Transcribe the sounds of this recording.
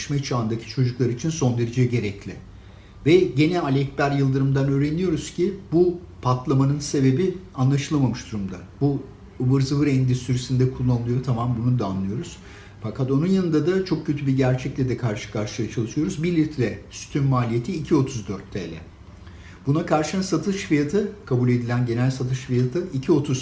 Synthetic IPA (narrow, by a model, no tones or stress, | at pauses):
ʃmɛt͡ʃʰaːnd̪acʰi̥t͡ʃʰo̞d͡ʒuklˠaɾit͡ʃʰinso̞nd̪e̞ɾed͡ʒiɟe̞ɾɛclʲɪ | vɛɟe̞nɛalʲɛc̚bæɾjɯlˠd̪ɯɾɯmd̪anø̞ːɾenijo̞ɾuz̥cʰibupʰat̪lˠamanɯnse̞be̞bi | anlˠaʃɯlˠamamɯʃd̪̥uɾumd̪abu | vɯɾzɯvɯɾɛnd̪isyɾysind̪ɛkʰulˠːanɯlˠɯjot̪ʰamambunud̪aːnlːˠɯjo̞ɾuz̥ | fakʰat̪o̞nunjanɯnd̪ad̪at͡ʃʰo̞k̚cʰːø̞t̪ʰybiɾɟæɾt͡ʃʰɛc̚lʲɛd̪ɛkʰaɾʃɯ̥kʰaɾʃɯjat͡ʃʰalˠɯʃɯjo̞ɾuzbiɾlʲiɾt̪ʰlʲɛsy̥t̪ʰynmaːlʲije̞t̪ʰiːcʰio̞t̪ʰuzd̪øɾt̪ʰːḛːlʲɛ̰ | b̥unakʰaɾʃɯnsat̪ʰɯʃfijat̪ʰɯkʰabulʲe̞d̪ilʲænɟe̞nælʲsat̪ʰɯʃfijat̪ʰɯicʰio̞t̪ʰuz